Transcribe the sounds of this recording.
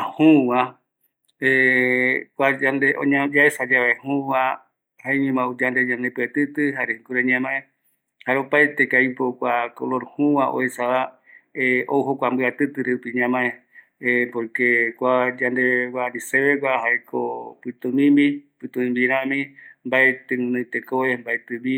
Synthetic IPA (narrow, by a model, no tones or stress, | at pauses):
ahũwã | e | kʷad͡ʒand̪eõɲãd͡ʒaesad͡ʒaβehũwa | haeɲũmãud͡ʒand̪ed͡ʒand̪epɨet̪ɨt̪ɨhaɾeŋkuɾeɲãmãẽ | haɾeopaet̪ekaipokʷakoloɾhũwaʔo̰esaβa | eʔowɦokʷambɨat̪ɨt̪ɨɾeupiɲãmãẽ | epoɾkekʷad͡ʒand̪ewaɾiseβekʷahaekʰopɨt̪ũmĩmbipɨt̪ũmĩmbiɾãmĩmbaet̪ɨɨ̃nõjt̪ekoβembaet̪ɨbi